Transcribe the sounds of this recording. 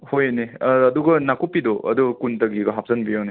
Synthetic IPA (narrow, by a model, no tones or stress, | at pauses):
hojeneːduɡɐnakupːidoʔɐ̰dukuntɐɡiɡɐɦap̚zɐnbijawne